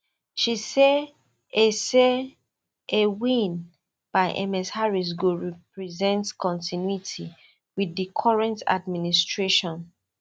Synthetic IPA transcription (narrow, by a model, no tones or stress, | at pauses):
ʃise | ese | ewĩn | b̥aɪʔɛ̰mɛshaɹis̬ɡoɹɛpɹizɛ̃ntkɔ̃ntʰinjuitʰi | wiðikʰɔɹɛ̃nta̰dministɹeʃɔ̃n